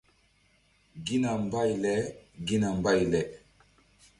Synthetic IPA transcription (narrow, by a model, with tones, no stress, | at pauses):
ɡi˦na˨mba˦jlɛ˦ɡi˦na˨mba˦jlɛ˨